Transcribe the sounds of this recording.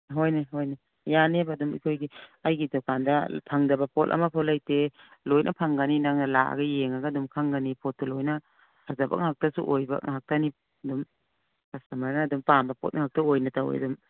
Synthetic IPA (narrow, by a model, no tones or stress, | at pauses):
ɦojneɦojne | janebadumḭkʰojɡiajɡidɔkandɐpʰaŋdɐbɐpɔtɐ̰mɐpʰɔtlajtelojnʔɐpʰaŋɡaninaŋnɐla̰a̰ɡɐjeŋaɡɐdumkʰaŋɡanipʰɔt̚ːɐlojnɐ | hazaba̰ŋɦak̚tasṵʔojbɐ̰ŋɦak̚tani | ɐdum | kasamaɾnaːdumpambɐpɔ̰t̚ŋɦak̚tɐojnɐtawḛɐ̰dum